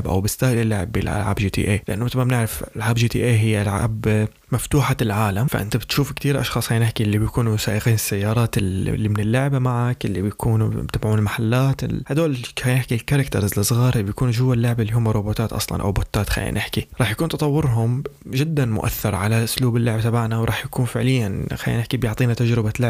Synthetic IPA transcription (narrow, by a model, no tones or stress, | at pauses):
bʔa̰wbɪst̪aːhlɪlːaʕɪbːḭlʔa̰lʕa̰ːbʒit̪ḭːʔeːlɪʔanːʊmɪt̪lmamnɪʕɾɪfalʕaːbd͡ʒiːt̪ḭːʔeːɦɪjːalʕa̰ːb | maft̪uːħalʕaːlamfa̰ʔɪ̰nt̪abɪt̪ʃuːfkt̪iːɾʔɑ̰ʃxɑːsˤxaːjnɪħkilːibjkuːnujsaːʔɪqiːnɪsːajːɑːɾˤɑːt̪lːimɪnɪlːʊʕbamaʕakʔɪlːibjkuːnṵt̪abʕuːnɪlmaħalːaːt̪ɪ̰lhad̪oːlhajnɪħkilkaɾˤɑkt̪ɑ̰ɾˤzlːsˤɣɑːɾˤʔlːibjakuːnud͡ʒʊwːalːʊʕbaʔɪlːihʊmːaɾˤoboːt̪aːt̪ʔɑ̰sˤlɑ̰nʔa̰wbʊt̪ːaːt̪xa̰jːa̰nʔɪħkiɾˤɑːħjakuːnt̪ɑt̪ˤɑwːɪɾɦʊmʒɪd̪ːanmʊ̰ʔa̰θːɑɾˤʕalaʔʊsluːbɪlːʊʕbat̪abaʕnawɾˤɑːħjakuːnfɪʕlɪjːanxa̰jːa̰nɪħkibjʊʕt̪ˤiːnat̪ad͡ʒɾɪbalaʕ